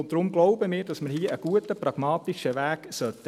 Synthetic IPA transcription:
ndɾʊmɡ̥loʊbəmiːɾd̥ɑsmərhiːʔəɡ̥uətəprɑɡ̥mɑːtiʃəʋæːksœtːə

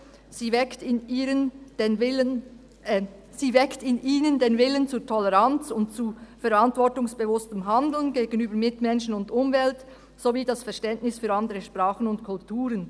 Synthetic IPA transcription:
z̥iːvɛktɪniːɾənd̥eːnvɪən | z̥iːvɛktɪniːnəndeːnvɪlənt͡suːtʰɔlɛʁant͡sʊntt͡sufɛɾantvɔɹtʊŋsb̥evʊstəmɦandl̩nɡeːɡənyːbəɾmɪtmɛnʃənʊndʊmvɛlt | z̥oviːdɑsfɛʁʃtɛntnɪsfyːɾɑndəɾəʃpʁaːχənʊntkʰʊltʰuːɾən

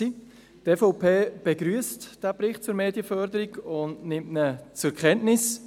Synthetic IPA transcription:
i | tɛfɔpʰeːb̥eɡɾyəstd̥æpɾɪχt̚t͡sʊɾmeːdiəfœɾdəɾiɡʊndnɪmtnət͡sʊkʰɛntnɪs

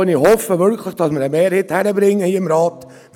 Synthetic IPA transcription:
ənɪhɔfəʋʏɾkʰləχd̥ɑsməɾəmeːɾheːthæɾəbɾɪŋːəhiːəɪmɾɑːt̪

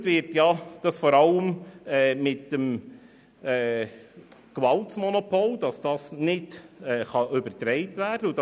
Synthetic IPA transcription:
tʋɪɾtjɑd̥ɑsfɔɾɑləmɛːmɪtəm | ɛː | kʋɑltsmɔnɔpʰold̪ɑsd̥ɑsnɪdɛːχɑʔɵbəɾtɾɛɪtʋæːrd̥əud̥

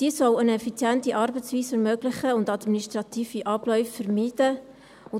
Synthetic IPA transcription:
d̥iːəsɔlənɛfit͡sjɛntiʔɑrbət͡sviːsɛɾmøɡ̥lɪχəʊndɑdministrɑt̪iːfiʔɑb̥lœʏfːəɾmiːd̥ə | ʊ

